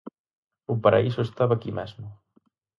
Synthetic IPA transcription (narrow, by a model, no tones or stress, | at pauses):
upaɾʔa̰isʊest̪aβakimɛzmʊ